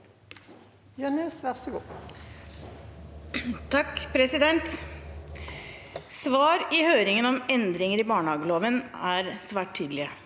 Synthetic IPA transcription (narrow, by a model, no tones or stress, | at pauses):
jœnɛsʋæʁsəɡṵː | t̪ʰɑkːpʰɾɛsɪd̪ɛnt̪ | sʋɑːɾɪhøːɾɪŋənɔmɛnd̪ɾɪŋəɾɪbɑːɳəhɑːɡəloːʋənæɾsʋæːʈ̚t̪ʰːyːd̪lɪə